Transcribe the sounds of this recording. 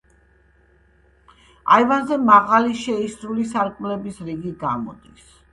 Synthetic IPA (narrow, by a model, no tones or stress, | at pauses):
a̰ivanzɛmaʁaliʃɛisɾulisaɾkʼmlɛbisɾiɡiɡa̰mɔ̰d̪̥is